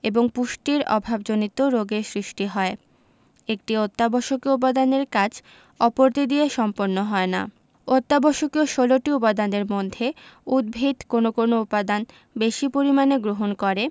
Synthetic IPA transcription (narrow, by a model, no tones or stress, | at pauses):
eboŋpuʃʈiɾɔ̰bʱabd͡ʑonit̪oɾoɡesɾiʃʈiɦɔe | ek̚ʈiot̪ːabɔʃokioup̬ad̪aneɾkad͡ʑʰ | ɔpoɾt̪id̪ieʃɔmpoɾnːoɦɔena̰ | ot̪ːabɔʃokioʃoloʈiupad̪aneɾmod̪ʱːeud̪̚bʱit̪konokonoupad̪an | beʃipoɾimaneɡɾoɦonkɔɾe